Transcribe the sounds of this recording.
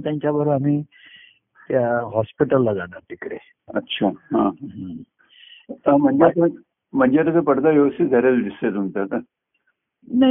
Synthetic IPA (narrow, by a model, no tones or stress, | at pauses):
t̪jãɲt͡ɕjabəɾamiː | t̪jaɦɔspiʈəlːad͡zanat̪ikɾḛ | ətːɕʰaɦãɦãɦã | am̤əɳd͡ʑet̪ | m̤əɳd͡ʑeɾət͡s̪əpəɽd̪aʋjəʋəst̪id͡z̪ʱəɾat͡sudist̪at̪umt̪at̪a | na